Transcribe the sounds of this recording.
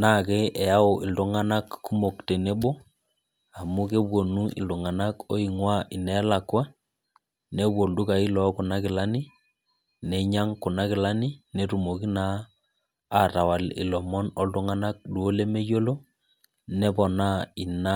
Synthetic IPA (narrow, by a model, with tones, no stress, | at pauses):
na˦˨ke˦ʔɛ˨ja˦ʊ˨ʔɪ˨ltu˦ŋa˦na˦kːu˦mo˨kte˨ne˦ɓo˦ | a˨mu˦ke˦bwo˨nu˦ɪ̰˨ldu˨ŋa˨na˦kɔ˦i˨ŋwa˦ʔɪ˨nɛ˨˦la˨kwa˦ | ne˦bwo˨ndu˦ka˨i˦lɔ˨˦kʊ˨na˦kɪ˨la˦ni˦ | nɛ˨ɲa˦ŋku˨na˦kɪ˨la˦ni˦ne˨tu˨mo˨ki˦naː˦˨ | ta˨wa˨lɪ̰˨lɔ˨mɔ˦nɔ˦ltu˦ŋa˦na˦k̚ɗu˨o˦le˦me˦jo˦lo˦ | nɛ˦pɔ˨na˦i˨na˦